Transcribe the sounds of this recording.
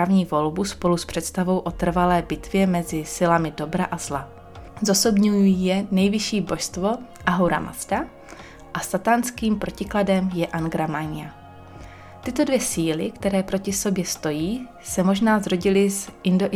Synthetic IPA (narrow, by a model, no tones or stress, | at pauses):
avɲiːvo̞lbuspo̞luspr̝̥ɛt̪st̪avo̞wʔo̞t̪r̩valɛːbɪt̪vjɛmɛzɪsɪlamɪdo̞bɾaʔazla | zoso̞bɲujijɛnɛjvɪʃiːbo̞ʃst̪vo̞ | ʔaɦowɾa̰mʔa̰sd̪a | ʔast̪at̪anskiːmpɾo̞cɪkladɛmjɛʔanɡɾamaɲɪja | t̪ɪt̪o̞dvjɛsiːlɪkt̪ɛɾɛːpɾo̞cɪso̞bjɛst̪o̞jiː | sɛmo̞ʒnaːzɾo̞ɟɪlɪzʔɪndo̞ʔ